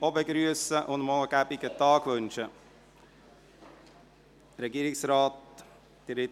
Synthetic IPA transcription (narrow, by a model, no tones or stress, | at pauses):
ɔbəɡɾyːsəʔɔnmoːkæpɪkːət̪ʰɑːkʰʋʉnt͡ʃə | ɾɛɡiːɾɪŋsɾɑːt̪̚ | d̪̥ɪɾɪt̪